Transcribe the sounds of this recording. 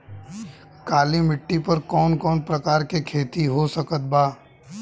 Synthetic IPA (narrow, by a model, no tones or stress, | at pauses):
kaːlimɪʈːipɐɾkɔːnkɔːnpɾɐkaːɾkekʰeːt̪iɦosɐkət̪̚baː